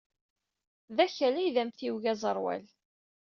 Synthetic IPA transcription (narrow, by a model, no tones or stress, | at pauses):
ðæçælæjðæmθiwʝæzˤəɾˤwæ̰l